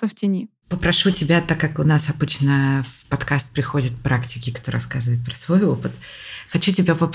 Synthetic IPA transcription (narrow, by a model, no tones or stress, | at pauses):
əftʲɪnʲi | pəpɾɐʂutʲɪbʲat̪akːakʊnasɐbɨt͡ɕnəfpɐt̪kast̪̚pɾʲɪxo̞dʲɪt̪pɾʔaktʲɪkʲɪkt̪oɾɐ̰skazɨvəɪt̪̚pɾəsvo̞jo̞pɨt̪xɐt͡ɕutʲɪbʲapəp